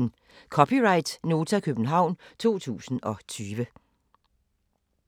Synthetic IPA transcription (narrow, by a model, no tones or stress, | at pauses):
n | kʰɒ̽pʰiʁɑ̈ɪd̥no̝ːt͡sʰækʰøb̥n̩ɦɑ̈ʊ̰nt͡sʰo̝̰ːt͡sʰṵːsn̩ɒ̽t͡sʰyːʋə